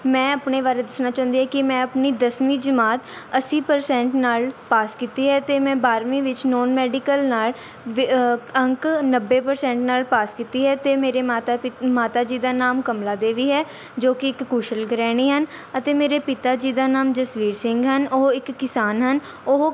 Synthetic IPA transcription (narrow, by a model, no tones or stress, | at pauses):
mɛ̃ːəpɳeːʋaːɾeːd̪ɪsnaːt͡ʃaːʊnd̪iːɦɛːkɪmɛ̃ːəpniːd̪əsmiːd͡ʒəmaːt̪əsiːpəɾsɛ̃ːɳʈnaːlpaːskiːt̪iːɦɛːt̪eːmɛ̃ːbaːɾmĩːʋɪt͡ʃnɔːnmɛːɖɪkəlnaːl | ʋəŋknəbːeːpəɾsɛ̃ːɳʈnaːlpaːskiːt̪iːɦɛːt̪eːmeːɾeːmaːt̪amaːt̪aːd͡ʒiːd̪aːnaːmkəmlaːd̪eːʋiːɦɛː | d͡ʒoːkɪɪkːuːʃəlɡɾɛːɽ̃iːɦənət̪eːmeːɾeːpɪt̪aːd͡ʒiːd̪aːnaːmd͡ʒəsʋiːɾsɪŋɡɦənoɦɪkːɪsaːnɦən | oɦ